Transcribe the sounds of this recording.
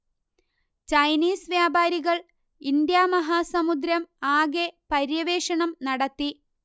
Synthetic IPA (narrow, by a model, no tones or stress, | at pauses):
t͡ɕɐjniːsʋjaːbaːɾiɣɐɭ | ind̪jaːmɐɦaːsɐmud̪ɾɐmaːɡe̞pɐɾjɐʋe̞ːʂɐɳɐmnɐɽɐt̪ːi